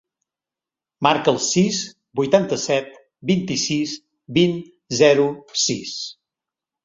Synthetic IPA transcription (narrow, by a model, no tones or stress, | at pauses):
maɾkəlˠsiz | bujt̪ant̪əsɛt̪̚ | bint̪isis | bin | zɛɾusis